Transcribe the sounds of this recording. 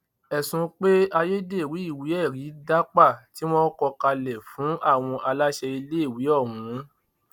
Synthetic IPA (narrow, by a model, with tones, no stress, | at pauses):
ɛ˨sũ˧˦k͡pe˦a˧je˦de˦˨wi˨˦i˦˨wi˨˦ɛ˦˨ɾi˨˦da˦k͡pa˦˨ti˦w̃ɔ̃˦kɔ˧ka˧lɛ˨fũ˨˦ʔa˦˨w̃ɔ̃˧ʔa˧la˦ʃɛ˧i˧le˦i˦˨wi˨˦ɔ˦˨wũ˨˦